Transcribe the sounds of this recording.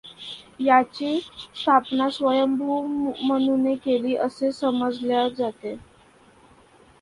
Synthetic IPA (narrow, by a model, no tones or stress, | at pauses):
jat͡ɕest̪ʰapnasʋəjəmbʱumənunekeliːʔəsesəməd͡zljad͡zat̪e